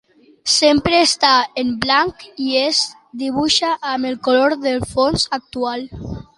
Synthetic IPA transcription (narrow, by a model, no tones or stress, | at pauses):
sempɾeːst̪aemblaŋkiez | d̪iβ̞uʃaʔːmelˠkoloɾðelfonzak̚t̪ual